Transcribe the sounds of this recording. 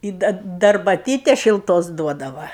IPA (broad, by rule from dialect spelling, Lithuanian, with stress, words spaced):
ɪ ˈdɐ dɐ ɐrbɐˈtʲiːtʲɛs ʃʲɪlˠˈtoːs ˈduɔdɐʋɐ